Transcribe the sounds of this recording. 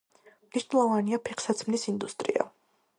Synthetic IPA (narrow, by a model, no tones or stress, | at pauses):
mniʃnɛlˠɔvaniapʰɛqʰsat̪sʰmnisind̪ust̪ʼɾḭa̰